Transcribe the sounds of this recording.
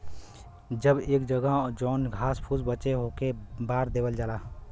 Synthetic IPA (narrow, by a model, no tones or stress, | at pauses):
d͡ʒəbeːkd͡ʒəɡəɦɔd͡ʒɔːnɡʱaːspʰuːsbət͡ʃeɦokebaːɾd̪eːbəld͡ʒaːlaː